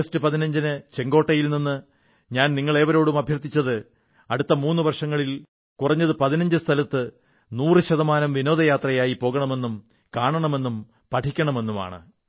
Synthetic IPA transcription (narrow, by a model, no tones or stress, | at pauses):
ɐstɨpɐðinɐɲd͡ʑinɨt͡ɕe̞ŋɡo̞ːʈːɐjilninːɨ | ɲaːnniŋːɐɭe̞ːʋɐɾo̞ːɽumɐbʱjɐrt̪ːit͡ɕːɐðɨ | ɐɽut̪ːɐmuːnːɨʋɐrʂɐŋːɐɭil | kurɐɲːɐðɨpɐðinɐɲd͡ʑɨst̪ʰɐlɐt̪ːɨ | nuːrɨɕɐðɐmaːnɐmʋino̞ːd̪ɐjaːt̪rɐjaːjipo̞ːɣɐɳɐme̞nːum | kaːɳɐɳɐme̞nːum | pɐʈʰikʲːɐɳɐme̞nːuma̰ːɳɨ̰